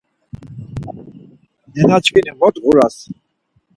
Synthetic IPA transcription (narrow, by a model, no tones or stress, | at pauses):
nɛnat͡ʃʰʼkinimɔt̪ʁuɾas